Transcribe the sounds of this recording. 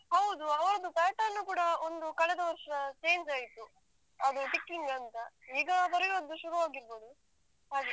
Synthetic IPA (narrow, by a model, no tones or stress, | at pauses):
ɦɐwd̪uɐʋɐɾɐd̪up̪aːʈɐːnːuːkuːɽɐond̪ukɐɭɛd̪ɐʋɐɾʂɐɐt͡ʃe̞ːɲd͡ʒaːjt̪u | ɐd̪uʈikːiŋɡɐnt̪ɐiːɡɐbɐɾjo̞ːd̪ːuʃuɾuʋaːɡiɾbo̞ːd̪u | ɦaːɡ